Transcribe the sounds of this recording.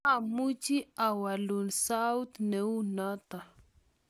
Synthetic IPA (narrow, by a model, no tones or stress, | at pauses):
amut͡ʃiawalunsawt̪neunat̪a